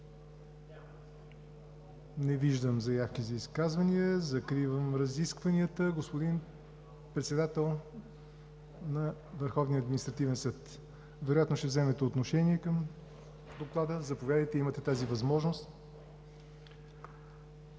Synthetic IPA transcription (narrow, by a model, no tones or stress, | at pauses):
nɛviʒd̪əmzɐjafk̟izɐiskazvɐniəzɐkɾivəmɾɐziskvɐniət̪əɡospod̪in | pɾɛt̪sɛd̪at̪ɛlˠ | nɐvəɾxɔvniəːd̪minist̪ɾɐt̪ivɛnsɤt̪ | vɛɾojat̪noʃt̪ɛvzɛmɛt̪ɛot̪noʃɛniɛkəm | d̪oklˠad̪əzɐpovjad̪əjt̪ɛimət̪ɛt̪azivɐzmɔʒnost̪